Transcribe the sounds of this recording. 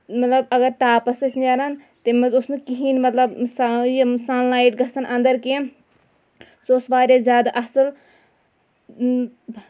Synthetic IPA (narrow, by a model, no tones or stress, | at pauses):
mɐt̪lɐbɐɡəɾt̪aːpɐsət͡ʃʰnaːɾɐn | t̪emɐʊsnɨkiɦiːnmɐt̪lɐbsajsaːnlaːiʈ̚ɡʱɐsɐnʔɐ̃nd̪əɾke | soʊsʋaːɾezʲjaːd̪aʔɐsəl